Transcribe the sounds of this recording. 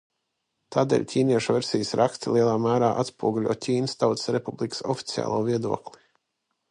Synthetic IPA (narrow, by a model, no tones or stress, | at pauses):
t̪aːd̪ɛ̰ːlʲcʲʰiːniɛʃuvɛɾsʲijəsɾʔakst̪ilˠiɛlˠaːmæːɾaːʔat̪spuɔɡulʲṵɔtʲiːnst̪awt̪sɾepublˠikə̥sɔfi̥t̪sija̰ːlˠuːviɛd̪uɔklˠi̥